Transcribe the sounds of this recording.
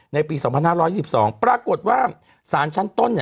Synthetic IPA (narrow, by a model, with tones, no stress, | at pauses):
na˧jpiː˧sɔː˩˦ŋpʰa˧nhaː˥˩ɾɔː˦˥ji˥˩si˨˩p̚sɔː˩˦ŋpɾaː˧ko˨˩t̪̚waː˥˩ | saː˩˦nt͡ɕʰa˦˥nt̪o˥˩n˧